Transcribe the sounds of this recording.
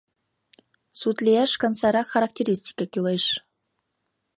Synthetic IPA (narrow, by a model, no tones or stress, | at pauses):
sut̪lʲeæʃkɑ̆nsɑɾɑχaɾak̚tʲeɾʲisʲtʲi̥kakʲylˠɤjʂ